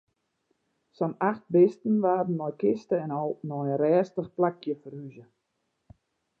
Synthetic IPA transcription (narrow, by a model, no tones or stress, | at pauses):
sɔnaxt̚bɪstən̩ʋaːdən̩ːɔjkɪstəɛnɔlnɔjərɛːstəχplakjəfərhyzə